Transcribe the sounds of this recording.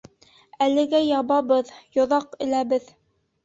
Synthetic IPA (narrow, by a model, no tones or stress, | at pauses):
ælɘ̆ɡæjɑβɑbɤðjŏðɑqɘ̆læbɘð